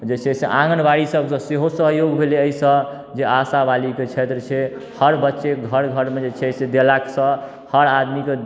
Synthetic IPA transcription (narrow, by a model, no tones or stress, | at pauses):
d͡ʒet͡ʃʰesḛʔãŋɡənbaɽisəbsə̃seɦosəɦjoɡbʱeleəisə̃ | d͡ʒeasabaliket͡ʃʰet̪ɾət͡ʃʰehəɾbətːʃeɡʱəɾɡʱəɾmed͡ʒet͡ʃʰsed̪elaksə̃ | həɾad̪mike